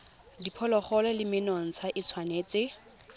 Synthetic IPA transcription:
dipʰɔlɔχɔlɔlɪmɪnɔŋ̩t͡sʰaʔɪt͡sʰwaneːt͡sɪ

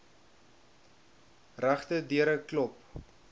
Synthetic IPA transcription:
ræχtədiəɾəklɔp̚

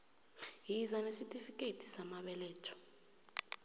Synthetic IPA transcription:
jizanesitʼifikʼetʰi̥samaɓɛlɛːtʰɔ̥

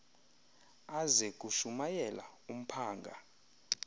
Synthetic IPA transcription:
azɛk̬ʼuʃumajɛla̰um̩pʰaːŋɡʱa̰

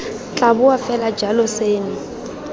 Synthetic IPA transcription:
t͡ɬʼabʊafɛlad͡ʒalɔseːnɪ

